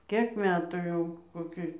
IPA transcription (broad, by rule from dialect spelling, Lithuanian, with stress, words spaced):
ˈkʲeːk ˈmʲæːtuː jɛʊ koːˈkʲɪ